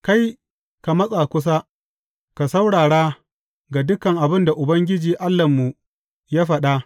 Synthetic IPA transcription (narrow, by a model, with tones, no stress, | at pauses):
ka˦j | ka˨mɐ˦sʼa˨kʷʊ˦s̬a˦ | ka˨sa˦wɽaː˨ɽa˦ | ɡa˨dʊ˦kɐ˨ŋʔa˨bɪ˦nda˨ʔʊ˨bɐ˦ŋɡʲɪ˦d͡ʒiː˨ʔa˦lːɐ˨mːu˨ | jaː˦ɸɐ˨ɗa˦